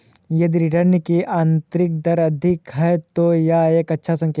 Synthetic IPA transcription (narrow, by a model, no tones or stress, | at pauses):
jɐd̪iɾɪʈəɾnikiʔãːnt̪ɾɪk̚d̪ɐɾɐd̪ʱɪkɦɛt̪ojaeːkɐtːʃʰasɐ̃ŋkeː